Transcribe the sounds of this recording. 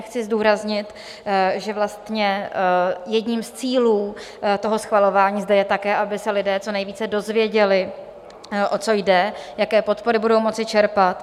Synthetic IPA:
xt͡sɪzduːɾazɲɪt̪ | ʒɛvlast̪ɲɛ | jɛdɲiːmst͡siːluː | t̪o̞ɦo̞sxvalo̞vaːɲiːzdɛjɛt̪akɛːʔabɪsɛlɪdɛːt͡so̞nɛjviːt͡sɛdo̞zvjɛɟɛlɪ | ʔo̞t͡so̞jdɛjakɛːpo̞t̪po̞ɾɪbudo̞wmo̞t͡sɪt͡ʃɛɾpat̪

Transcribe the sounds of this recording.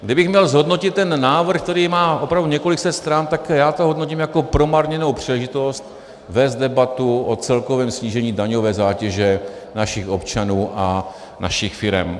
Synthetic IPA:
ɡdɪbɪxmɲɛlzɦo̞dno̞cɪt̪ːɛnːaːvr̩xk̚t̪ɛɾiːmaːʔopɾavduɲɛkolɪksɛt̪st̪ɾant̪akjaːt̪oɦo̞dnociːmjako̞pɾo̞maɾɲɛnowpr̥iːlɛʒɪt̪o̞st̪ | vɛːst̪̚dɛbat̪uʔot͡sɛlko̞vɛːmsɲiːʒɛɲiːdaɲo̞vɛːzaːcɛʒɛnaʃɪxʔo̞pt͡ʃanuːʔa | na̰ʃɪxfɪɾɛ̰m

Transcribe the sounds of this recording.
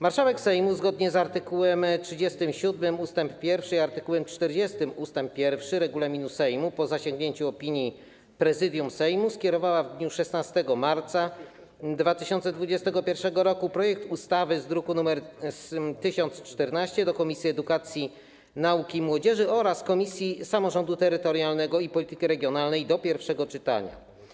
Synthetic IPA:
maɾʂawɛksɛjmuzɡɔd̪ɲɛzaɾt̪ɘkuwɛmtʂɘd͡ʑɛst̪ɘmɕud̪mɘmust̪ɛmppʲjɛɾfʂɘiaɾt̪ɘkuwɛmt͡ʂt̪ɛɾd͡ʑɛst̪ɘmust̪ɛmp̚ːʲjɛɾfʂɘɾɛɡulamʲinusɛjmupɔzaɕɛŋɡɲeɲt͡ɕuɔpʲiɲji | pɾɛzɘd̪ʲjumsɛjmuskʲɛɾɔvawavd̪ɲuʂɛsnast̪ɛɡɔmaɾt̪sa | d̪vat̪ɘɕɔnt̪sɛd̪vud͡ʑɛst̪ɛɡɔpʲjɛɾfʂɛɡɔɾɔkupɾɔjɛk̚t̪ust̪avɘzd̪ɾukunumɛɾ | t̪ɘɕɔnt̪st͡ʂt̪ɛɾnaɕt͡ɕɛd̪ɔkɔmʲisʲjiɛd̪ukat̪sʲji | naukʲimwɔd͡ʑɛʐɘɔɾaskɔmʲisʲjisamɔʐɔnd̪ut̪ɛɾɘt̪ɔɾjalnɛɡɔipɔlʲit̪ɘkʲiɾɛɡʲjɔnalnɛjd̪ɔpʲjɛɾfʂɛɡɔt͡ʂɘt̪a̰ɲa̰

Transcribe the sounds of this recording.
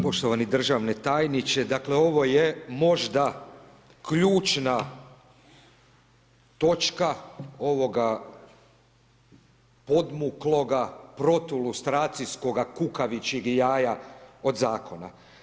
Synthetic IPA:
po̞ʃt̪o̞ʋanid̪r̩ʒaʋne̞t̪aːjnit͡ʃe̞d̪akle̞o̞ʋo̞jemo̞ʒd̪a | kʎuːt͡ʃna | t̪o̞t͡ʃkao̞ʋo̞ɡa | po̞d̪muklo̞ɡapɾo̞t̪ulust̪ɾaːt̪sisko̞ɡakukaʋit͡ɕiɡjaːjao̞d̪zaːkʰo̞na̰

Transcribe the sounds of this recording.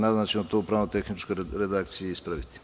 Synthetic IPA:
nad̪nat͡ʃimot̪opɾaːnot̪exnit͡ʃkoɾed̪akt̪sijeispɾaʋit̪i̥

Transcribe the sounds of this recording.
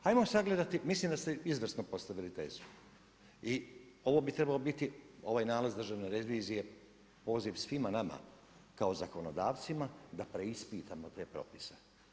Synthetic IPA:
hajmosaɡle̞d̪at̪imisliːmd̪ast̪eizʋrsnopo̞st̪aʋilit̪eːzu | i | o̞ʋo̞ːbit̪ɾe̞baobit̪io̞ʋaːjnaːlazd̪ɾr̩ʒaʋne̞ɾeʋiːzije̞ | po̞ːziʋsʋimanama̰ | kaozako̞nod̪aːʋt̪simad̪apɾe̞ispiːt̪amot̪e̞ːpɾo̞̰pi̥se̥

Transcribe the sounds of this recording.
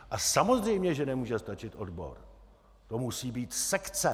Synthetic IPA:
ʔasamo̞zrɛjmɲɛʒɛnɛmuːʒɛst̪at͡ʃɪt̪ʔo̞dbo̞̰ɾ | t̪omusiːbiːt̪sɛkt͡sɛ

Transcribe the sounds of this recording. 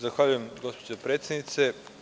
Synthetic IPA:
zaxʋaʎuje̞mɡo̞spod͡ʑopɾet̪sʲjed̪nit̪se

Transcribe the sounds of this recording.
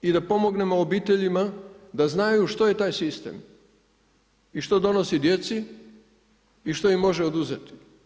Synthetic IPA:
id̪apo̞mo̞ɡne̞moobiːt̪e̞ʎimad̪aznajuʃt̪o̞je̞t̪aːjsist̪ḛːm | iʃt̪o̞d̪o̞no̞sid̪je̞t̪si | iʃt̪o̞immːo̞ʒeod̪uze̞t̪i̥

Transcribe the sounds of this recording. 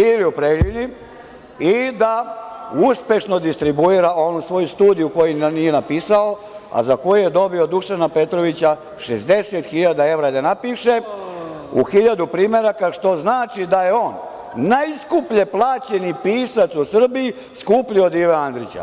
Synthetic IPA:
iliupɾeʎini | id̪auspe̞ʃno̞d̪ist̪ɾibuiɾaʔo̞nusʋo̞just̪uːd̪ijuko̞jinije̞napiːsao̞ | a̰zako̞jujed̪o̞bio̞d̪ukʃanape̞t̪ɾo̞ʋit͡ɕa | ʃezd̪e̞set̪xiʎad̪ae̞ʋɾad̪anapiːʃe̞ | uxiʎad̪upɾiːme̞ɾakaʃt̪o̞znaːt͡ʃid̪aje̞o̞ːnː | ajskupʎeplˠaːt͡ɕe̞nipiːsat̪susr̩bii | skupʎio̞d̪iʋeand̪ɾit͡ɕa̰

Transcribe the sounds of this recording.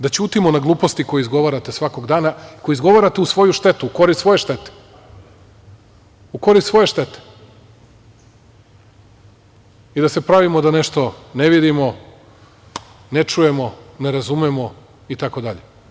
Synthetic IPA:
d̪at͡ɕuːt̪imonaɡlˠuːpo̞st̪ikojeizɡo̞ʋaɾat̪e̞sʋako̞ɡd̪aːnaikojizɡo̞ʋaɾat̪eusʋo̞juʃt̪e̞t̪uuko̞ɾist̪sʋo̞je̞ʃt̪e̞t̪e̥ | uko̞ɾist̪sʋo̞jeʃt̪e̞t̪e̥ | id̪asepɾaʋimod̪ane̞ʃt̪o̞ne̞ʋid̪imo̞ | net͡ʂuje̞mo̞ne̞ɾazumemo̞ | it̪ako̞d̪aʎe

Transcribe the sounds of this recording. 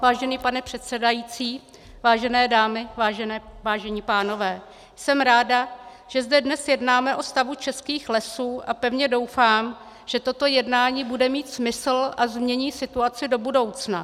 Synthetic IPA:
vaːʒɛniːpanɛpr̝̥ɛt̪sɛdajit͡siː | vaːʒɛnɛːdaːmɪvaːʒɛnɛːvaːʒɛɲiːpaːno̞vɛː | sɛmɾaːda | ʒ̥ɛzdɛdnɛsjɛdnaːmɛʔo̞st̪avut͡ʃɛskiːxlɛsuːʔapɛvɲɛdo̞wfaːm | ʒ̥ɛt̪o̞t̪o̞jɛdnaːɲiːbudɛmiːt̪smɪsl̩ʔazmɲɛɲiːsɪt̪uat͡sɪdo̞budo̞wt͡sna

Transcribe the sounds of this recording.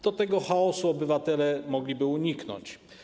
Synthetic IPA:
d̪̥ɔt̪ɛɡɔxaɔsuɔbɘvat̪ɛlɛmɔɡlʲibɘuɲiknɔ̰ɲt͡ɕ

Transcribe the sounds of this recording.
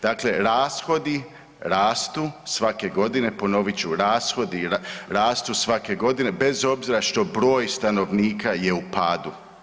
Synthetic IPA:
d̪̥aːkle̞ɾaːsxo̞d̪i | ɾaːst̪usʋake̞ɡo̞d̪ine̞po̞no̞ʋit͡ɕuɾaːsxo̞d̪iɾaːst̪usʋake̞ɡo̞d̪ine̞be̞zo̞bziɾaʃt̪o̞bɾo̞ːjst̪ano̞ʋniːkaje̞upaːd̪u

